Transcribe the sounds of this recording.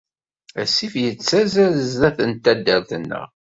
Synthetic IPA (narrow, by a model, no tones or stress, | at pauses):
æsːifjət͡sːæzæzzðæθənt̪ːæd̪ːəɾθənːə̰ʁ